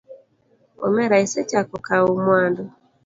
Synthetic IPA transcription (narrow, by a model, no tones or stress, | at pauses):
ɔ̰mɛɾaisɛt͡ʃakɔkaumwandɔ